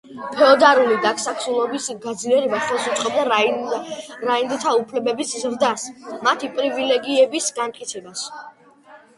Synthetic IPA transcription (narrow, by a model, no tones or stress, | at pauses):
pʰɛɔd̪aɾulid̪aksakʰsulˠɔbisɡad̪zliɛɾɛbaχɛlˠsut̪sʼqʼɔbd̪a | ɾaind̪ɛt̪ʰaupʰlɛbɛbiszɾd̪asmat̪ʰipʼɾivilɛɡiɛbisɡant̪k̪ʼkʼit̪sʰɛbas